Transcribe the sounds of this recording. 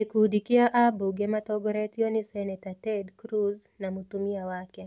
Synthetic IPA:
ikudikiaʔabuɡɛmatɔɡɔɾɛtiɔnisɛnɛtatɛdkɾuznamutumiawakɛ

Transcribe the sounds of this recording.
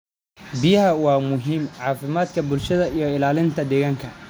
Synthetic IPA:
bɪjɐɦɐwɑːmʊɦiːmʕɑːfɪmaːd̪kʰɐbʊlʃɐðɐijɞɪlaːlɪnt̪ʰɐd̪ɛːɣaːŋkʰɐ

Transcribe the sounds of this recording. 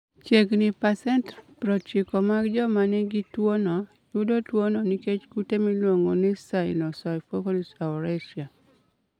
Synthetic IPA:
t͡ʃeɡnɪpasɛntpɾɔtt͡ʃɪkɔmaɡd͡ʒɔmanɛɡitwonɔ | jʊdotwonɔniket͡ʃɡutemilwoŋonɪsaɪlɔsaɪfokolisaɾeʃia

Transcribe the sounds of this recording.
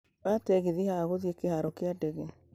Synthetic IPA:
βatɛɣeðihaɣoðjekehaɾɔkeadɛɣe

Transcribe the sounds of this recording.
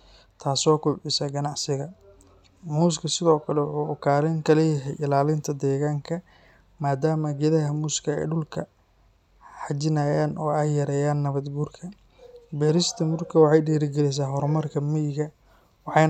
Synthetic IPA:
t̪ʰaːsɔːkʰʊbʕɪsɐɡɐnɑʕsɪɣɐ | muːs̬kʰɐsɪðɔːkʰɐlɛwħuːʊkʰaːɾɪŋkʰɐlɛjɐɦɛjʔɪlaːlɪnt̪ʰɐd̪ɛːɣaːŋkʰɐ | maːd̪aːmɐɡɛðɐɦɐmuːskʰɐɛ̰ːɖʊlkʰɐ | ħɑd͡ʒɪnaːjaːnʔɔːɛjːɐɾɛːjaːnːɐβɐd̪ɡuːrkʰɐ | bɛːɾɪst̪ʰɐmʊrkʰɐwɑħɑjɖiːɾɪɡɛlɛs̬aːɦɔɾmɐrkʰɐmɪjɪɣɐ | wɑħɑ

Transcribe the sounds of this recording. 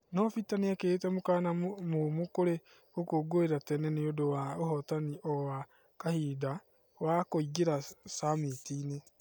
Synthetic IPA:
nɔfitaneaketɛmokanamomokoɾe | okoːɡoeɾatɛnɛneodowaohɔtaniʔɔwa | kahida | wakoiɡeɾasamitiːne

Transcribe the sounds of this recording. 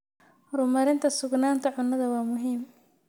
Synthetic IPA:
hɾʊmɐɾɪnt̪ʰɐsʊɡnaːnt̪ʰɐʕʊnːɐðɐwɑːmʊɦiːm

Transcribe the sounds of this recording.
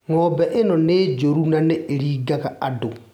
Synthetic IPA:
ŋɔːbɛʔenɔned͡ʒoɾunaneʔeɾiːɡaɣaado

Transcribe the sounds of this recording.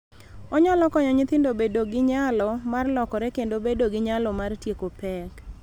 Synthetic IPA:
ɔɲɔlɔkɔɲɔɲɪt̪ɪndobedoɡɪɲalɔmarlɔkɔɾɛkendobedoɡɪɲalɔmartjekopɛk

